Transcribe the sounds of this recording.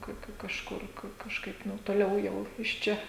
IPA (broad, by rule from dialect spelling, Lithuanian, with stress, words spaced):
ˈkɐ ˈkɐ kɐʃˈkʊr kɐ kɐʃˈkɐɪp ˈnʊ toːˈlʲɛʊ ˈjɛʊ ɪʃ ˈt͡ʃʲɛ